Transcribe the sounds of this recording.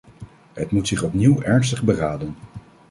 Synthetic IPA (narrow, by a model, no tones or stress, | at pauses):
ɦətmutsɪχɔpniwɛɹns̬təχbəraːdən